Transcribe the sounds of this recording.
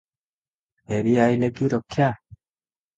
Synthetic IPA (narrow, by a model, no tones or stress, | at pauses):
eɾiaileɡiɾokːja